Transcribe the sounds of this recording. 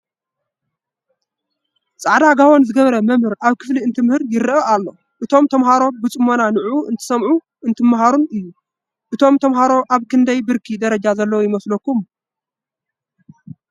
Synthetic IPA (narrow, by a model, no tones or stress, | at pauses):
t͡sʼaʕd̪aɡawonzɨɡɐβɾɐmɐmhɨɾaβkʰɨ̥fliɨnt̪ʰɨmhɨɾjɪɾɨʔɐalːo̞ | ʔɨt̪ʰo̞mt̪ʰɐmhaɾo̞bɨt͡sʼɨmːo̞nanɨʕuʔɨnt̪ʰɨ̥sɐmʕu | ɨnt̪ʰɨmːaɦaɾunɨjːu | ʔɨt̪ʰo̞mt̪ʰɐmɦaɾo̞ʔaβkʰɨnd̪ɐjbɨɾkʰid̪ɐɾɐd͡ʒazɐlːɐwojɪmɐslɐkːum